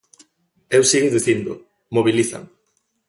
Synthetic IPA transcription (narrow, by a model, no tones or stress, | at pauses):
ewsiɣeðiθind̪ʊ | moβiliθa̰ŋ